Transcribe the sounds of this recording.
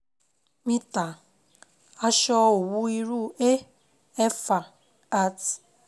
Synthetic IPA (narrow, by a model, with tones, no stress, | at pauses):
mi˦ta˨ | a˦ʃɔ˦o˨wu˦i˦ɾu˦˨e˦ | e˦fa˨ | a˦t